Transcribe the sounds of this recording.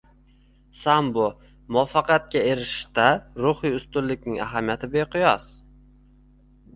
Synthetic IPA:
sambʊ | mɒfɑqʰat̪̚kʲae̞ɾɪʃt̪aɾʊhɪjʊst̪ʊllɪkʲnɪŋa̰ɦamijat̪ʰɪbejqʰʊjɒs

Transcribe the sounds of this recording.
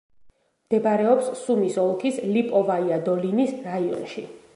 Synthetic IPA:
md̪̥ɛbaɾɛɔpsːumisɔlˠkʰislipʼɔvaiad̪ɔlinisɾaiɔ̰nʃi

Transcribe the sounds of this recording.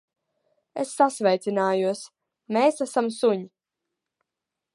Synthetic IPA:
esːasvɛjt̪sinaːjuɔs | meːsasamsuɲi

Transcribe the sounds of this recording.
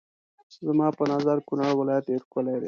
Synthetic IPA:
zamɑpənɑzaɾkunaɽwɪlɑjat̪jeɾkəled̪ḛ

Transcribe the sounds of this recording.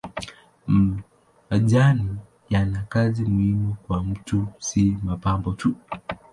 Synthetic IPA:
m | aʄani | janakazimuhimukwam̩tusimapambɔtu

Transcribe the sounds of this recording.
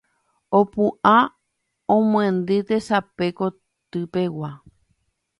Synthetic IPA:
opuʔa | õmw̃ẽnd̪ɨt̪e̞sape̞ko | t̪ɨpe̞wa

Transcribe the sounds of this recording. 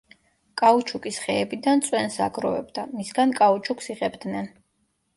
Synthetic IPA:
kʼaut͡ʃʰukʼisχɛːbid̪ant̪sʼwɛnsa̰ɡɾɔvɛ̰bd̪amisɡankʼaut͡ʃʰuksiʁɛbd̪nɛn

